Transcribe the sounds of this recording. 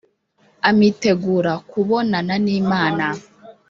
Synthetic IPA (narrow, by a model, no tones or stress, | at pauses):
amite̞ɡuːɾakuβo̞nananiːmaːna